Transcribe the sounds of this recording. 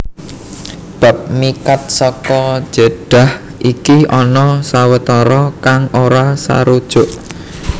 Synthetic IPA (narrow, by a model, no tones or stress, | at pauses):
b̥a̤p̚mikat̪̚sɔkɔ̥ʒ̥əɖ̥a̤h | ʔikiɔnɔsawət̪ɔɾɔkaŋoɾasa̰ɾud̥ʒ̥ʊ̤ʔ